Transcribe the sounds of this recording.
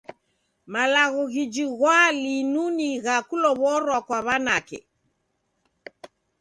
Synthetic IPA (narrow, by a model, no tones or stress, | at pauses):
malaɣɔɣid͡ʒiɣwalinuniɣakulɔβɔɾwakwaβanakɛ̰